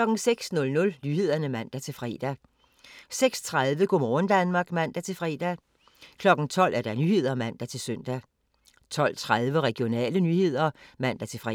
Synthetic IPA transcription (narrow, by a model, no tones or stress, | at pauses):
lɒ̽ɡ̥n̩seɡ̥snɔ̽lnɔ̽lnye̝ð̰ˠɐnəmæn̰d̥æt͡sʰe̝lfʁɛ̰ːd̥æ | seɡ̥st͡sʰʁaðˠʋəɡ̥omɒːnd̥ænmɑ̈ːɡ̥mæn̰d̥æt͡sʰe̝lfʁɛːd̥æ | kʰlɒ̽ɡ̥n̩t͡sʰɒ̽l̰ʔæɐd̥ɑ̈nyhe̝ð̞̰ˠɐmæn̰d̥æt͡sʰe̝lsœn̰d̥æ | t͡sʰɒ̽l̰t͡sʰʁaðˠʋəʁɛɡ̥jo̝nɛ̰ːlənyhe̝ð̞̰ˠɐmæn̰d̥æt͡sʰe̝lfʁɛ